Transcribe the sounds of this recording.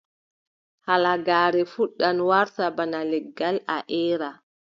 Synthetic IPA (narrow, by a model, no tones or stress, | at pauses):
halaɡaːɾɛfuɗːanwaɾtabanalɛɡːalaʔɛːɾa